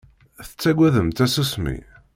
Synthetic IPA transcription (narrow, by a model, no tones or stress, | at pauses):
θə̥t͡sːæɡʷæðəmt̪æsusmḭ